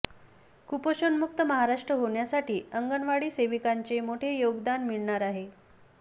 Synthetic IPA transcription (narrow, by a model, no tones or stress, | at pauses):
kupoɕənmuk̚t̪əməɦaɾaʂʈɾəɦoɳjasaʈiːəŋɡəɳʋaɽiːseʋikaɲt͡ɕemoʈʰejoɡd̪anmiɭɳaɾaɦe